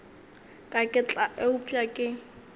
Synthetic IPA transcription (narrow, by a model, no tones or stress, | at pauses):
kʼakʼɪt͡ɬʼaʔeʊpʼjakʼɪ